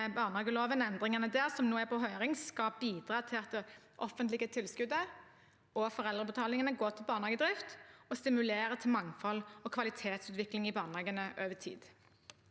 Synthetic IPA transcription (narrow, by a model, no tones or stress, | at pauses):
bɑːʁnhɑːɡəloːʋənɛnd̪ʁɪŋənəd̪æːʁsɔmnoːæpʰɔɦœːʁɪŋskɑbiːd̪ʁɑːt̪ʰɪlɑt̪̚d̪ɛ | ʔɔ̰fːənt̪lɪɡət̪ʰɪlskʉd̪ə | ɔfɔʁɛld̪ʁəbət̪ʰɑːlɪŋənəɡoːt̪ʰɪlbɑːʁnɑːɡəd̪ʁɪft̪ɔst̪ɪmʉleːɾət̪ʰɪlmɑŋfɔlɔkʰʋɑlɪt̪ʰeːt̪sʉːt̪ʋɪklɪŋɪbɑːʁnɑːɡənəʔøːʋət̪ʰḭːd̪̥